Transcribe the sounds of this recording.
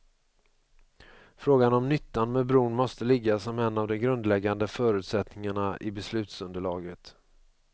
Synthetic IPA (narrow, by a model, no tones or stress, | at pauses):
fɾoːɡanɔmnʏt̪ːanmɛbɾuːɳmɔst̪əlɪɡːasɔmɛnːavd̪ɔmɡɾɵnd̪lɛɡːand̪əfœːɾʉ̟ːt̪sɛt̪nɪŋaɳaʔɪbɛslʉ̟ːt̪sɵnd̪əɭɑːɡət̪